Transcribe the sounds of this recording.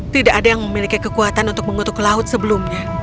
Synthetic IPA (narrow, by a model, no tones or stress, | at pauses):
t̪idaʔadajaŋməmilikikəkuat̪anunt̪ʊk̚məŋut̪ʊklaʊt̪̚səbəlʊmɲa